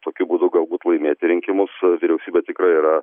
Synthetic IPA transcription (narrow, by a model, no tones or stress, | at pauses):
t̪oːkʲubuːd̪ʊɡɐlˠbuːt̪lˠɐɪmʲeːt̪ʲɪɾʲɪŋʲkʲɪmʊsʋʲɪɾʲɛʊsʲiːbʲɛt̪ʲɪkɾɐiːɾɐ